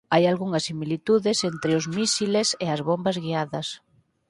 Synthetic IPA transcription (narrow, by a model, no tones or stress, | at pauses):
ajalɣuŋɐsimilit̪uðɪsent̪ɾɪʊzmisileseɐzβombɐzɣiaðɐs